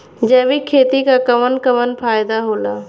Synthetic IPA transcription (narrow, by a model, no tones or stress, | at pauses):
d͡ʒɛːʋikʰːeːt̪ikakɐʋənkəʋənpʰaːjd̪aɦoːlaː